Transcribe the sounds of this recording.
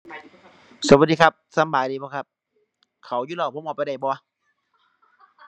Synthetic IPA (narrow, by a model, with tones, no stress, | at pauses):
so˨˩˦ma˩t̚diː˧kʰa˦˧˩p̚sa˧˦mbaː˨˩jdiː˧bɔː˧˦kʰa˦˧˥p̚ | kʰa˨˩wjuː˧˦lɔː˧˩pʰo˧˦ʔɔː˨˩pa˧˨da˧˩jbɔː˧˦